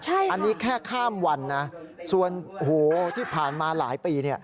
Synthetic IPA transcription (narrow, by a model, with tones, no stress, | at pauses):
t͡ɕʰa˥˩jʔa˧nːiː˦˥kʰɛː˥˩kʰaː˥˩mwa˧nːa˦˥su˨˧əno˧˨hoː˩˦t̪ʰiː˥˩pʰaː˨˩nmaː˧la̰ː˩˦jpiː˧ni˥˩ɐ